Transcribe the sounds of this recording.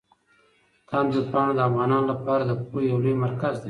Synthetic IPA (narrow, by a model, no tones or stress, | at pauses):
t̪ʰamd̪ud̪̚pɑɽod̪əafɣɑnɑnolapɑɾad̪əpujawlujmaɾkazd̪e